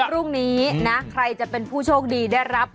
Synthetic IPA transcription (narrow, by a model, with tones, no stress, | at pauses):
ɾu˥˩ŋniː˦˥na˦˥kʰɾa˧jt͡ɕa˨˩ʔpe˧npʰuː˥˩t͡ɕʰoː˥˩k̚diː˧da˥˩jɾa˦˥p̚